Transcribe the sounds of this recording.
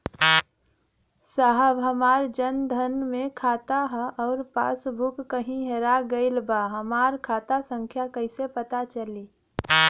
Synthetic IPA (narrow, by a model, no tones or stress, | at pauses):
saɦəbɦəmaːɾd͡ʒənd̪ʱənmẽkʰaːt̪aɦəʔɔːɾpa̰ːsbʱukːəɦĩɦeɾaɡəɪlbaɦəmaːɾkʰaːt̪asə̃ŋkʰjakəɪsepət̪at͡ʃəliː